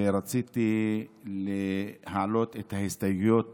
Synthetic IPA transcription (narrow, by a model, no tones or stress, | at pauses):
eɾat͡sit̪ilehalot̪et̪hahist̪ajjot̪̚